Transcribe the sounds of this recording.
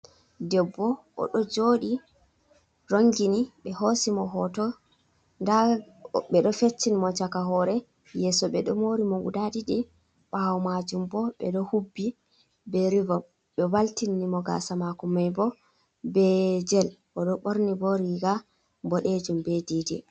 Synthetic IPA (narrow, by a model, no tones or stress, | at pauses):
dɛbːɔʔɔ̰ɗɔd͡ʒoːɗi | ɾoŋɡiniɓɛhosimɔɦɔtɔ | ndaɓɛɗɔfet͡ʃːinimɔt͡ʃakaɦɔɾɛ | jɛːsɔɓɛɗɔmoɾimɔɡudadiɗi | ɓawɔmad͡ʒumbɔɓɛ̰ɗɔhubːi | bɛɾivɔm | ɓɛwaltinːimɔɡa̰samakɔmajbɔ | bɛd͡ʒɛlʔɔɗɔɓoɾnibɔɾiɡa | bɔɗed͡ʒumbɛdiːdɛ̰